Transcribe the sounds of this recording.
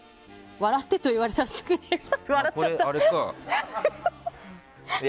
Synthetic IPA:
βaɾat̪ːet̪oiβaɾesaɾsɨ̥kɯneβaɾaːat̪ːaɾe

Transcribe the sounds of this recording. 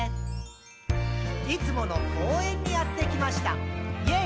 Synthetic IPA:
it͡sɨmo̞no̞kʰo̞ːẽ̞ɲ̟ʲːijat̪ːe̞kʲimaɕi̥t̪a̰je

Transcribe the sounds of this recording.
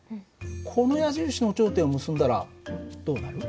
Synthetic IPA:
kʰo̞no̞jaʑɨːɕinot͡ɕo̞ːt̪ẽomɯ̟sɨ̃nd̪aɾa̰d̪̥o̞ːnaɾɯ̟

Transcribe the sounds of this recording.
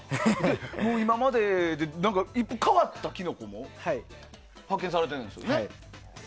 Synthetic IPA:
demoimamadedenaŋɡaip͈ɯkʰawat̚t͈akinok͈omoh | pʰakʰensʰaɾadenɯnsʰone

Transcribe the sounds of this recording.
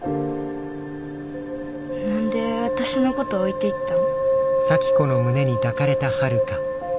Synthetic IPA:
nãnd̪e̞βat̪aɕino̞ko̞t̪o̞ːit̪e̞it̪ːanosakʲi̥ko̞no̞mɯ̟ne̞ɲ̟id̪akaɾe̞t̪ahaɾɯ̟ka

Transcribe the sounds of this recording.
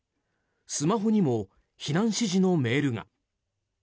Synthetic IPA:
sɨmaɦo̞ɲ̟imo̞ | çinãɰ̃ɕiʑino̞me̞ːɾɯ̟ŋa̰

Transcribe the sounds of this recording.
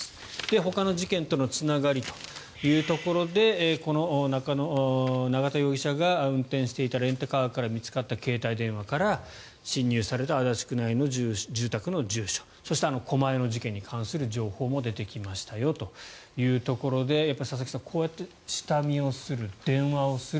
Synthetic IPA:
d̪̥e̞ɦo̞kano̞ʑikẽ̞nt̪o̞no̞t͡sɨnaɡaɾʲit̪o̥ | jɯ̟ːt̪o̞ko̞ɾo̞d̪e̞ko̞no̞nakano̞naɡat̪ajo̞ːɡʲiɕaɡaɯ̟̃nt̪ẽɰ̃ɕi̥t̪e̞it̪aɾẽ̞nt̪okaakaɾamʲit͡sɨ̥kat̪ːake̞ːt̪aid̪ẽ̞ɰ̃βakaɾa | ɕĩɲ̟ːɨːsaɾe̞t̪aːd̪at͡ɕi̥kɯ̟naino̞ʑɨːd͡ʑɨːt̪akɯ̟nod͡ʑɨːɕo̥ | so̞ɕi̥t̪e̞ano̞kʰo̞mae̞no̞ʑikẽ̞ɲ̟ːikʰãɰ̃sɨɾɯ̟d͡ʑo̞ːho̞ːmo̞d̪e̞t̪e̞kʲimaɕi̥t̪ajo̞t̪o̞jɯ̟ːt̪o̞ko̞ɾo̞d̪e̞japːaisas̬aki̥sakʰo̞ːjat̪ːe̞ | ɕi̥t̪amʲio̞sɨɾɯ̟d̪̥ẽ̞ɰ̃βao̞sɨ

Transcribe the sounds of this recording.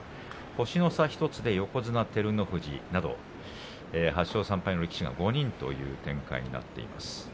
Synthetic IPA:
ho̞ɕino̞saçi̥t̪o̞t͡sɨd̪e̞jo̞ko̞zɨnat̪e̞ɾɯ̟no̞ɸɯ̟ʑḭnad̪o̞̰ | eːɦaɕːo̞ːsãmpaino̞ɾʲekʲi̥ɕiɡa̰ɡo̞ɲ̟ĩnt̪o̞̰jɯ̟̰ːt̪ẽ̞ŋka̰ḭɲ̟ḭna̰t̪ːe̞̰ḭma̰sɨ̥

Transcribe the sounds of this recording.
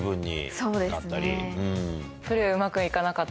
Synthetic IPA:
bɯ̟̃ɲ̟ːḭso̞ːd̪e̞nsatɨnːaɾʲḭɯ̃ | ɸɯ̟ɾɯ̟ɯ̟makɯ̟ikanakat̪ː

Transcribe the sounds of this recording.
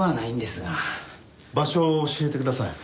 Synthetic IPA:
βanaĩnd̪esɨɡa | baɕo̞ːɕie̞t̪e̞kɯd̪asai

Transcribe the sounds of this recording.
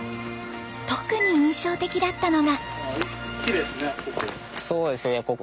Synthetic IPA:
t̪o̞kɯ̟ɲ̟iɯ̃ɰ̃ɕo̞ːt̪e̞kʲid̪at̪ːano̞ɡa | kʲid̪esɨnekokɯ | so̞ːd̪e̞sɨejako

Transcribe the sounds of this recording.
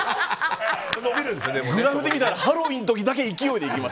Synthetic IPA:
sonomʲiɾɯ̃nesd̪eɡɯ̟ɾaɸɯd̪emʲit̪aɾahaɾo̞bʲĩnt̪o̞k̬ʲid̪ak̬e̞ikʲijo̞id̪e̞ikʲimas

